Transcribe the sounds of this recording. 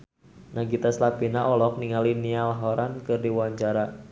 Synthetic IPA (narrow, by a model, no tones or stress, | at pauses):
naɡit̪aslapinaʔɔlɔk̚niŋalinialaɦɔɾankɨrdiwɔwaɲt͡ʃaɾa